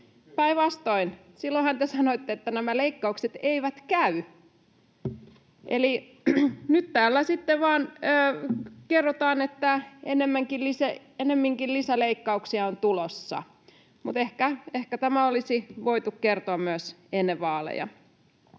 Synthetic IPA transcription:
pæiʋɑst̪oin | silːohɑnt̪esɑnoit̪ːeet̪ːænæmæleikːɑukset̪eiʋæt̪kæy | ʔḛli | nyt̪t̪æːlːæsit̪ːeʋɑːnəːkerːot̪ɑːnet̪ːæenemːæŋkillisæ | enemːiŋkillisæleikːɑuksiɑont̪ulosːɑ̰ | mut̪ehkæehkæt̪æmæolisiʋoit̪ukkert̪oɑmmyøsenːeʋʋɑːlḛjɑ̰

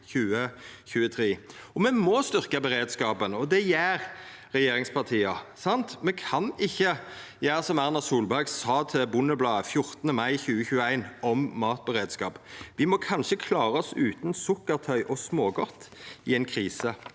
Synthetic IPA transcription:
çʉːəçʉːət̪ʰɾeːɔmɛmɔst̪ʏʁkəbəɾeːd̪skɑːpənɔd̪ɛjæːɾ | ɾɛjeːɾɪŋspʰɑʁt̪ʰiːɑsɑnt̪mɛkʰɑnɪçːəjæːʁsɔmæʁnɑsuːlbæʁɡsɑːt̪ʰɪbʊnəblɑːəfjʊʁt̪nəmɑɪçʉːəçʉːəæɪnɔmːɑːt̪̚bəʁeːd̪skɑːpʋɪmɔkʰɑnʃəkʰlɑːɾəɔsʉːt̪nsʊkːəʁt̪ʰœʏʔɔsmoːɡɔt̪ːɪɛɪnkʰɾiːsə

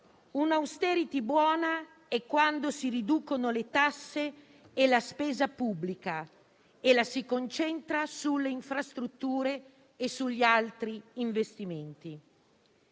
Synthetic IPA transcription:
unawst̪ɛɾit̪ibwɔːna | ɛkːwand̪osirid̪uːkonolet̪asːe | elaspɛːzapubːlika | elasikont͡ʃɛnt̪ɾasulːeiɱfɾast̪ɾut̪ːuːɾeː | sːuʎːialt̪ɾiːɱvest̪iment̪i

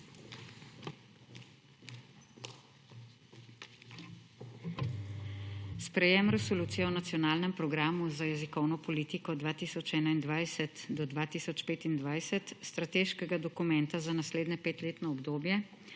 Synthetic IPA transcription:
spɾɛjɛmɾɛsɔluːt̪sijɛwnat̪sijɔnaːlnɛmpɾɔɡɾaːmuzajɛzikɔwnɔpɔliːt̪ikɔd̪ʋaːt̪iːsɔt͡ʃɛːnaind̪ʋajsɛt̪d̪ɔd̪ʋaːt̪iːsɔt͡ʃpeːt̪ind̪ʋajsɛt̪st̪ɾat̪eːʃkɛɡad̪ɔkumɛnt̪azanasleːd̪nɛpeːt̪leːt̪nɔːbd̪oːbjɛ

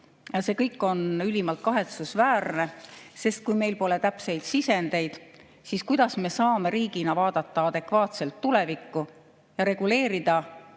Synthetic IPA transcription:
jɑse̞kɤjkːˑo̞nylʲimɑlt̪̚kɑɦe̞t̪susvæːrne̞se̞st̪̚kujme̞jlpo̞le̞t̪æpse̞jd̪̥sise̞nd̪e̞jd̪̥ | siːskujd̪̥ɑsme̞sɑːme̞ɾiːɡ̥inɑvɑːd̪̥ɑt̪ːɑɑd̪̥e̞kvɑːt̪se̞lt̪ːule̞vikːu | jɑɾe̞ɡ̥ule̞ːɾid̪̥ɑ

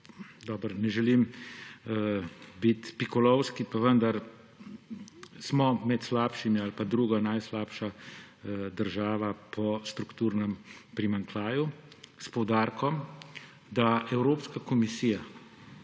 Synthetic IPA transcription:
d̪ɔːbɾnɛʒɛlim | bit̪pikɔlɔwskipaʋənd̪aɾ | smɔmɛt̪slaːpʃimialpad̪ɾuːɡanajslaːpʃa | d̪əɾʒaːʋapʰɔst̪ɾukt̪uːɾnɛmpɾimaŋklaːju | spɔwd̪aːɾkɔm | d̪aɛwɾoːpskakɔmisiːja

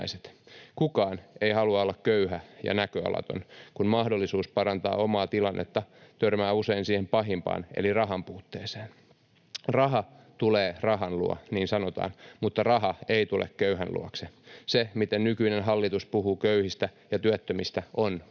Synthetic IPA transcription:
iset̪kukɑːneihɑluɑolːɑkkøyhæjɑ̰nækøɑ̰lɑ̰t̪o̰nkunmɑhdolːisuːspɑɾɑnt̪ɑ̰ːomɑːt̪ilɑnːʔet̪ːɑt̪ørmæːuse̞insiːhempɑɦimpɑ̰ːnḛlirɑɦɑmpuːt̪ːḛːseːn | rɑɦɑt̪uleːrɑɦɑnlṵɑ̰niːnsɑnot̪ɑ̰ːnmut̪ːɑrɑɦɑeit̪ulʔḛkkøyɦænlṵoksesemit̪ennykyinenɦɑlːit̪uspuhuːkøyhist̪æ | jɑt̪yæt̪ːømist̪æʔon

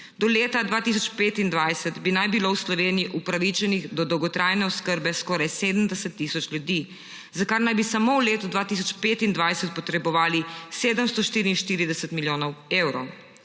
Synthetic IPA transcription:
d̪ɔleːt̪ad̪ʋaːt̪is̬ɔt͡ʃpeːt̪ind̪ʋajsɛt̪binajbilowslɔʋeːnijiʔupɾaʋit͡ʃɛniɣd̪ɔd̪ɔwɡɔt̪ɾajnɛɔskəɾbɛskɔːɾajseːd̪əmd̪ɛsɛt̪ːiːsɔt͡ʃljud̪i | zakaɾnajbisamouleːt̪ud̪ʋaːt̪iːs̬ɔt͡ʃpeːt̪ind̪ʋajsɛt̪̚pɔt̪ɾɛbɔʋaːliseːd̪əmst̪ɔʃt̪iːɾiinʃt̪iːɾid̪ɛsɛt̪miljoːnɔweːwɾɔw

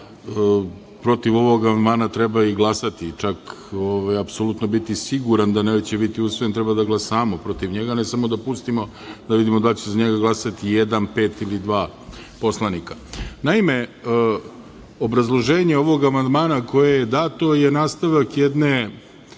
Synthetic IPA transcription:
pɾo̞t̪iʋo̞ʋo̞ɡamand̪maːnat̪ɾebaiɡlˠasat̪it͡ʃakoʋajapsolut̪no̞bit̪isiɡuɾand̪aneʋet͡ɕebit̪iusʋojnt̪ɾebad̪aɡlasaːmopɾo̞t̪iʋɲeɡanesamod̪apust̪imo̞ | d̪aʋid̪imod̪alt͡ɕezaɲeɡaɡlˠasat̪ijed̪anpe̞ːt̪ilid̪ʋaː | po̞slˠanikanaime̞ | obɾazlˠo̞ʒe̞ːɲeo̞ʋo̞ɡamand̪maːnako̞jejed̪aːt̪ojenaːst̪aʋakjed̪ne

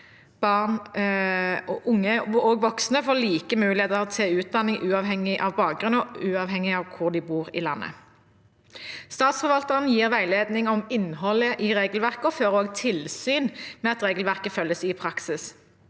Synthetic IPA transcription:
b̥ɑʁn | ɔʔʊŋːəoːɡʋɔksnəfoːliːkəmʉːlɪheːt̪əʁt̪ʰɛʉːt̪̚d̪ɑnːɪŋʔʉːɑʋɦɛŋɪʔɑʋbɑːk̚ɡʁʉnɔʉːɑːʋɦɛŋɪɑʋkʰʊʁd̪ɪbuːʁɪ̰lɑ̰nːə̰ | st̪ɑːt̪sfɔʁʋɑlt̪əʁənjiːʁʋæɪleːd̪nɪŋɔmɪnhɔləʔɪʁeːɡəlʋæʁkəɔføːʁoːɡt̪ʰɪlsyːnmɛɑt̪ʁeːɡəlʋæʁkəfœlːəsɪpʰʁɑksɪs

